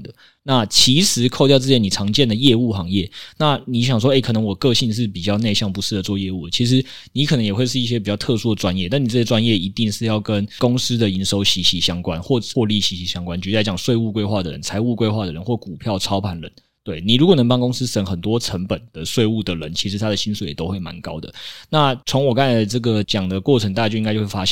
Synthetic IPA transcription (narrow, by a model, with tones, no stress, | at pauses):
d̪ə˩ | na˥˩t͡ɕʰi˧˥ʂɻ̩˧˥kʰo˥˧ʊt̪jɑ˥˧ʊt͡s̬̩˥˩t͡ɕjɛ˧˥ni˨˩ʈ͡ʂʰɑ˧˥ŋt͡ɕjɛ˥˨nd̪ə˩jɛ˥˧u˥˩xɑ˧˥˦ŋjɛ˥˩na˥˩ni˨˥ɕjɑ˨˩ŋʂ̬wɔ˥e˥˩ɪkʰɤ˨˩nə˧˦ŋwɔ˨˩kɤ˥˧ɕi˥˧nʂ̬ɻ̩˥˩pi˨˩t͡ɕjɑ˥˧ʊne˥˧ɪɕjɑ˥˩ŋpu˧˥sɻ̩˥˩d̪ə˩t͡swɔ˥˧jɛ˥˧u˥˩d̪ə˨˩t͡ɕʰi˧˥ʂ̬ɻ̩˧˦ | ni˧˥kʰɤ˨˩nə˧ŋjɛ˨˩xwe˥˧ɪʂ̬ɻ̩˥˧i˥˩ɕjɛ˥pi˨˩t͡ɕjɑ˥˧ʊt̪ʰɤ˥˧su˥də˩ʈ͡ʂwa˦njɛ˥˩˧na˥˩˨ni˨˩t͡sɤ˥˩jɛ˥ʈ͡ʂwa˥njɛ˥˩i˧˥t̪i˥˧ŋʂɻ̩˥˧jɑ˥˩ʊkə˦nkʊ˥ŋs̩˥d̪ə˨i˧˥nʂo˧˥ʊɕi˧˥ɕi˧˥ɕjɑ˥ŋkwa˦nxwɔ˥˩˨wɔ˥˧li˥˩ɕi˧˥ɕi˧˥ɕjɑ˥ŋkwa˥˦nt͡ɕy˧˩˥a˧˥ɪt͡ɕɑ˨˩ŋswe˥˧ɪu˥˧kwe˥ɪxwa˥˩d̪ə˩ɻə̰˧˦nt͡sʰa˧˥ɪu˥˧kwe˥ɪxwa˥˩d̪ə˩ɻə̰˧˦nxwɔ˥˩ku˨˩pʰjɑ˥˩ʊʈ͡ʂʰɑ˥ʊpʰa˧˥nɻə̰˧˦n | t̪we˥˩ɪni˨˩ɻu˧˥kwɔ˨˩n˧˥ŋpɑ˥ŋkʊ˥ŋs̩˥ʂə˨˩ŋxə˨˩nt̪wɔ˥ʈ͡ʂʰə˧˦ŋpə˨˩nd̪̥ə˩swe˥˧ɪu˥˩d̪ə˩ɻə̰˧˦nt͡ɕʰi˧˥ʂɻ̩˧˥t̪ʰa˥d̪ə˨ɕi˥nsu˨˩jɛ˨˩t̪o˥ʊxwe˥˩ɪma̰˧˦nkɑ˥ʊd̪ə̰˨na˥˩t͡sʰo˧˥ŋwɔ˨˩ka˥˩nlʈ͡ʂɤ˥˩ɡə˩t͡ɕjɑ˨˩ŋd̪ə˩kwɔ˥˩ʈ͡ʂʰŋt̪a˥˧a˥˩t͡ɕo˥˧i˧ŋ˥t͡ɕo˥˧˥wfa˦˥ɕjɛ˥˩